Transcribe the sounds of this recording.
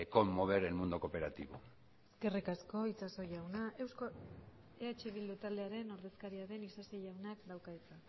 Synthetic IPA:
eko̞mːo̞β̞e̞ɾelmund̪oko̞pe̞ɾat̪iβo̰ | eske̞rikasko̞it͡saso̞jawnae̞wsko | eat͡ʃeβ̞ild̪ut̪ald̪eaɾe̞no̞ɾðe̞skaɾiaɾe̞nisasejawnakd̪awkaet͡sa

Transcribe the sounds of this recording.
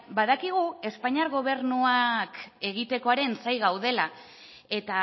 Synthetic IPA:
baðakiɣ̞ue̞spaɲaɾɣo̞βe̞ɾnuake̞ɣ̞it̪e̞ko̞aɾe̞nsajɣawðe̞la | e̞t̪a

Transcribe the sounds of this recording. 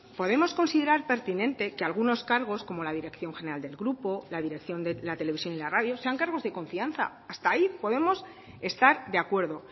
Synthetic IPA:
po̞ðe̞mo̞sko̞nsiðe̞ɾaɾpe̞ɾt̪inẽ̞nt̪ekealɣuno̞skaɾɣ̞o̞sko̞mo̞laðiɾe̞kθjo̞ŋxe̞neɾald̪e̞lɣɾupo̞laðiɾe̞kθjo̞nd̪elat̪ele̞βisjo̞nilaraðjo̞se̞aŋkaɾɣ̞o̞zðe̞ko̞ɱfianθa̰ːst̪aipo̞ðe̞mo̞s | e̞st̪aɾd̪e̞akwe̞ɾðo̞

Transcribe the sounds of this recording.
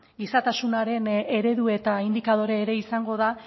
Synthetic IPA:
ɡisat̪asunaɾe̞ne̞ɾe̞ðue̞t̪aind̪ikað̞o̞ɾeːɾe̞isaŋɡo̞ða

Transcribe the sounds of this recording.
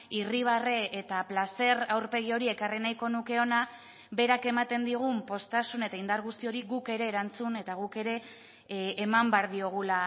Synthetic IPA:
iriβ̞areʔet̪aplase̞rawɾpe̞ɣ̞io̞ɾie̞karinajko̞nuke̞o̞na | be̞ɾake̞mat̪e̞nd̪iɣ̞umpo̞st̪asune̞t̪aind̪aɾɣust̪io̞ɾiɣuke̞ɾe̞ːɾant͡sune̞t̪aɣ̞uke̞ɾe̞ː | mambeaɾðio̞ɣ̞ula

